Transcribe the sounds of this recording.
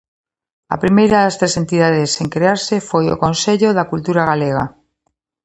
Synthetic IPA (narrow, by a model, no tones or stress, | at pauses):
a̰pɾimejɾaðast̪ɾesent̪iðað̞eseŋkɾeaɾsefojo̰kõnseʎoðakult̪uɾaɣaleɣa̰